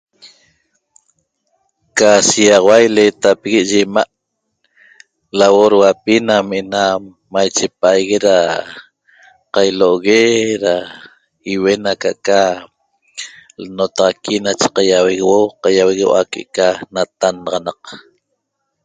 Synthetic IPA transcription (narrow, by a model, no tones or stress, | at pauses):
kasiɑʁɑwajlet̪apeɣiʔʒemaʔ | lawoɾwapinameʔena | majt͡ʃep̚aajɣeɾa | qajloʔoɣeɾa | iwe̞naka̰ʔka | lnot̪ɑʁɑkʰinat͡ʃe̥qɑjaweɣewoqɑjaweɣewa̰kḛʔkanat̪anɑʁɑnɑq